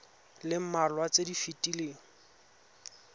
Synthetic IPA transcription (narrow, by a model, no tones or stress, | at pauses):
lɪm̩malwat͡sedifitʼileːŋ̩